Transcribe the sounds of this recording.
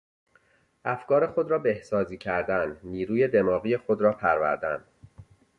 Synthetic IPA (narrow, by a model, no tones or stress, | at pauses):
ʔæfkɒːɾe̞xo̞d̪ɾɒːbe̞hsɒːziːcʰæɾd̪ænːiːɾuːje̞d̪e̞mɒːɣiːje̞xod̪ɾɒːpʰæɾvæ̰ɾd̪æn